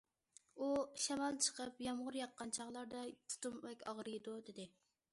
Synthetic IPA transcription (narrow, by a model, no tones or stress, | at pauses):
uʃɛmɑlˠt͡ʃʰə̥qʰəpjɑmʁʊɾjɑqːɑnt͡ʃʰɑʁlˠɑɾd̪ɑt̪ʰu̥t̪umwɛkʲɑʁɾɨjd̪ud̪ɪd̪ɪ